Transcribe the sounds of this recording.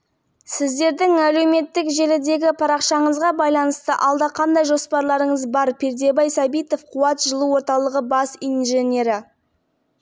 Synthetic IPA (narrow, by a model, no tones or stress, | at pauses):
sɪzd̪e̞ɾd̪ɪŋæle̞me̞t̪ːɪkʒe̞lɪd̪e̞ɡʲɪpʰɑɾɑqʃɑɴəzʁɑbɑjlˠɑnəst̪əʔɑlˠd̪ɑqʰɑnd̪ɑjʒo̞spɑɾlˠɑɾəɴəzbɑɾpʲʰeɾd̪e̞bɑjsɑbijt̪o̞fqʰuɑt̪ʒəlˠəwo̞ɾt̪ɑlˠəʁəbɑsinʒenʲe̞ɾɪ